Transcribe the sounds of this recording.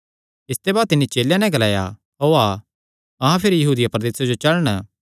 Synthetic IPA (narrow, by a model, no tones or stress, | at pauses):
ɪst̪ebaːt̪ɪnːit͡ʃeːljãnɛ̃ɡɐlaːja̰ | ɦoːa | ɐɦãpʰɪɾijɐɦuːd̪ɪjapɾɐd̪eːsad͡ʒot͡ʃɐɭɽ̃